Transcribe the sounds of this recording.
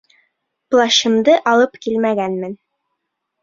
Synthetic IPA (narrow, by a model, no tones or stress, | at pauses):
plˠɑɕɤ̆md̪ɤʔɑlˠɤpkilmæɡænmɘn